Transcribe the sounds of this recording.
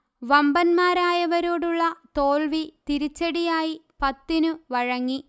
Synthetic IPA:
ʋɐmbɐnmaːɾaːjɐʋɐɾo̞ːɽuɭːɐt̪o̞ːɭʋit̪iɾit͡ɕːɐɽijaːjipɐt̪ːinɨʋɐɻɐŋːi

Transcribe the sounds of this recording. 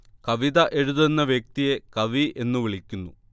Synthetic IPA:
kɐʋiðɐʔe̞ɻuðenːɐʋjek̚t̪ije̞kɐʋiʔe̞nːuʋiɭikʲːunːṵ

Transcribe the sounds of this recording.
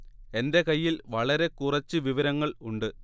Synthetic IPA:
e̞nde̞kɐjːilʋɐɭɐɾe̞kurɐt͡ɕːɨʋiʋɐɾɐŋːɐɭuɳɖɨ

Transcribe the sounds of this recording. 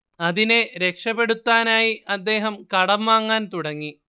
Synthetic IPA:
ɐðine̞ɾe̞kʂɐpe̞ɽut̪ːaːnaːjiʔɐd̪ːe̞ːɦɐmkɐɽɐmʋaːŋːaːnt̪uɽɐŋːi

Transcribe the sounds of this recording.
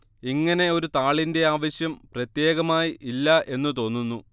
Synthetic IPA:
iŋːɐne̞o̞ɾut̪aːɭinde̞aːʋɐɕjɐmprɐt̪je̞ːɣɐmaːjiʔilːɐʔe̞nːɨt̪o̞ːnːunːu

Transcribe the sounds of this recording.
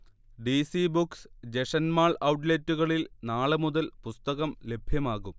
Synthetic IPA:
ɖisibuksd͡ʑe̞ʂɐnmaːɭɐwʈ̬letːuɣɐɭilnaːɭɨmuðɐlpust̪ɐɣɐmle̞bʱjɐmaːɣum

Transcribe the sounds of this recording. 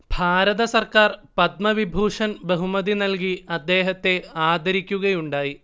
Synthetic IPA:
b̥ʱaːɾɐðɐsɐrkaːrpɐd̪mɐʋibʱuːʂɐnbɐɦumɐðinɐlkiɐd̪ːe̞ːɦɐt̪ːe̞aːd̪ʱɐɾikʲːuɣɐjuɳɖaːji

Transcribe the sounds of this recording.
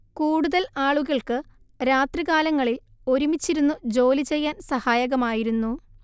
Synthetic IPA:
kuːɽuðɐlaːɭuɣɐɭkɨ | ɾaːt̪riɣaːlɐŋːɐɭilo̞ɾumit͡ɕːiɾunːud͡ʑo̞ːlit͡ɕe̞jːaːnsɐhaːjɐɣɐmaːjiɾunːu

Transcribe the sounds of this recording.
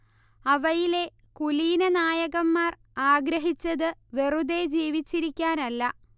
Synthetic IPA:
ɐʋɐjile̞ | kuliːnɐnaːjɐɣɐmːaːr | aːɡɾɐɦit͡ɕːɐðɨʋe̞ruðe̞d͡ʑiːʋit͡ɕːiɾikʲːaːnɐlːɐ

